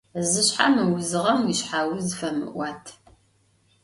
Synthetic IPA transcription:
zɨɕħa̰mɨwʊzɨʁɐmjɪɕħaːwʊzfɐmɨ̰ʔʷɑːtʰ

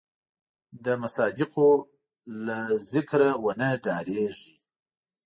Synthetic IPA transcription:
d̪əmasɑd̪ɪqo | lazɪkɾawənəɖɑɾeʐi

